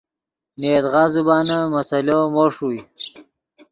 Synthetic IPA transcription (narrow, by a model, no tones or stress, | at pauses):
neːt̪ʁaːzubaːnamɐsɐlomoʂuj